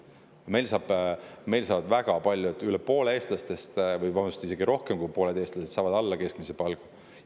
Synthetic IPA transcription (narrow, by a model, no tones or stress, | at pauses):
me̞jlsɑːb̥me̞jlsɑːvɑd̪væɡ̥ɑpɑlʲjuet̪ːˑylepo̞ːlee̞ːst̪lɑst̪e̞st̪vɯjvɑnust̪ise̞ɡiɾo̞hkemkujpo̞ːle̞d̪̥e̞ːst̪lɑse̞d̪sɑːvɑd̪ɑlːɑke̞skmisepɑlɡ̥u